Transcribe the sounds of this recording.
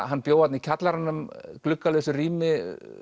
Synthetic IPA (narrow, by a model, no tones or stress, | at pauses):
ɦanːpjoːwat̪nicʰat̪laɾanːʏmklʏkːalœɥsʏriːmɪ